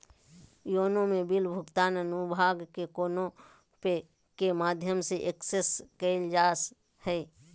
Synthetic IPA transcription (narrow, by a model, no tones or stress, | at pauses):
joːnõmẽbɪlbʱʊɡt̪aːnənubʱaːɡkekoːnõ | pe | kemaːd̪ʱjəmseʔekseskəɪld͡ʒaːs | hɛː